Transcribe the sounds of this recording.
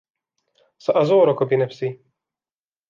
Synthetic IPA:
sɐʔɐzoːɾɔkɔbinɛfsi

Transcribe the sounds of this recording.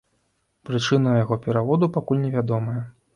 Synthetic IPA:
pɾɨt͡ʂɨnɐjaɣɔpʲɛɾavɔd̪upakulʲnʲɛvʲad̪ɔmɐjɐ

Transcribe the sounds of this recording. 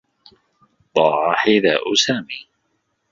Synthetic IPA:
d̪ˤɑːʕɑħɪða̰ːʔʊsaːmiː

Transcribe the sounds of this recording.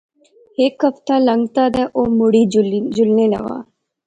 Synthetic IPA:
heːkɐft̪aːlɐŋɡt̪aːd̪ɛʔoːmʊɽiːd͡ʒʊlnelɐ̰ɣa̰ː

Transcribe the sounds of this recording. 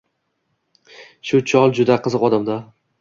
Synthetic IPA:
ʃʊt͡ʃʰɒlˠd͡ʒʊd̪aqʰɨzɨqɒd̪amd̪a

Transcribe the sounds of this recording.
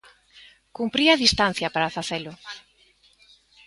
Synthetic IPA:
kumpɾiaðist̪an̟θjɐpaɾafaθelʊ

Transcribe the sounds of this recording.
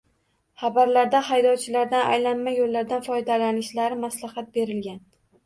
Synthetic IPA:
χɑbaɾlaɾd̪ahajd̪ɒwt͡ʃʰɪlaɾd̪ana̰jlanmajolːaɾd̪anfɒjd̪alanɪʃlaɾɪmaslahat̪̚be̞ɾɪlɡʲan

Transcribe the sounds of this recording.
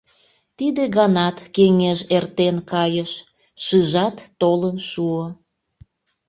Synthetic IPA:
t̪id̪eɣɑnɑt̪keŋeʒert̪enkɑjəʃ | ʃɯʒɑt̪ːolənʃuo

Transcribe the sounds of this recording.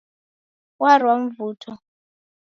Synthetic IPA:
warwam̩vuːtʰɔ

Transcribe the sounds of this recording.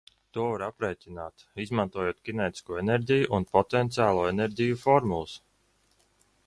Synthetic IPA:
t̪uɔvaɾapɾɛːt̪ʲinaːt̪ | izmant̪uɔjoɔt̪kʲinɛjt̪i̥skuːɛnɛɾdʲijuʔunpɔt̪ɛnt̪siaːlˠuːɛnɛɾʲdʲijufɔɾmulˠs

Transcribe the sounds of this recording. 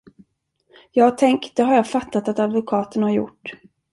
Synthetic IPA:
jɑːɡat̪ʰɛŋk̪̚d̪ɛɦaɾjɑːfat̪ʰːat̪at̪ad̪vʊkʰɑːt̪ənhaɾjʊ̰ʈː

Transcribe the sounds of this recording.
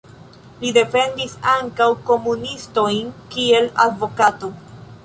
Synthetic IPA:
lide̞fe̞ndisaŋkawko̞munisto̞jnkie̞ladvo̞kato̞

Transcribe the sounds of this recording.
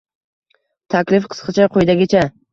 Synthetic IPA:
t̪ʰakʲlɪfqʰɨ̥sqʰɨt͡ʃʰaqʰojd̪aɡʲat͡ʃʰa

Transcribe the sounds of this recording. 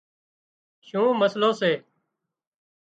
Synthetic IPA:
ʃũːməsloːseː

